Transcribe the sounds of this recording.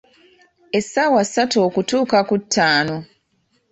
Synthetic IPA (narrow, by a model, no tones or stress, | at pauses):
esːawasːatoːkutuːkakutʰːaːno̞